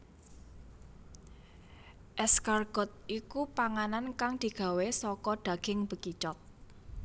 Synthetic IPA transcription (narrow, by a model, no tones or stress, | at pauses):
ʔɛskarɡ̥ɔt̪̚ikupaŋanankaŋd̪̥i̤ɡ̥a̤wesɔkɔɖ̪̥a̤ɡ̥ɪ̤ŋb̥ə̤kit͡ʃɔt̪̚